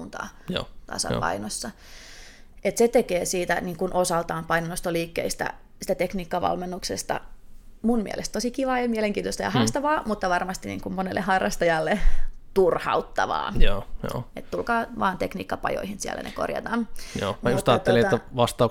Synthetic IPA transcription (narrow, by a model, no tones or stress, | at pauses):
nt̪ɑ̰ːjo̰ːt̪ɑ̰sɑ̰ppɑ̰inosːɑ | et̪set̪ekeːsiːt̪æniːŋkunʔosɑlt̪ɑːmpɑinonost̪oliːkːḛist̪æ̰ | sit̪æt̪ekniːkːɑʋɑ̰lmenːuksest̪ɑ̰ | munmiælʔest̪t̪osikiʋɑːjɑmieleŋkiːnt̪ost̪ɑjɑhɑrst̪ɑʋɑːmut̪ːɑʋɑrmɑst̪inḭːŋkummonelːehɑrːɑst̪ɑjɑlːet̪urhɑ̰ut̪ːɑʋɑ̰ːjoːjo̰et̪t̪ulkɑːʋɑːnt̪eknḭːkːɑpɑ̰jo̰ihinsiæ̰lːæ̰nʔḛko̰rjɑ̰t̪ɑnjo̰ːmɑjust̪ɑːt̪ːelieːæʋɑst̪ɑu